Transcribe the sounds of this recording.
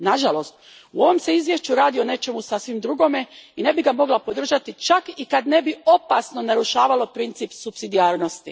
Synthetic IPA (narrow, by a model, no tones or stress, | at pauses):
naʒalo̞st̪ | uo̞ʋo̞mse̞izʋje̞ʃt͡ʃuɾaːd̪io̞ne̞t͡ʃe̞musasʋimd̪ɾuɡo̞me̞ine̞biɡamo̞ɡlˠapo̞d̪r̩ʒat̪it͡ʃakikad̪ne̞bio̞pasno̞naɾuʃaːʋalˠo̞pɾint̪sipsupsid̪iaːɾno̞st̪i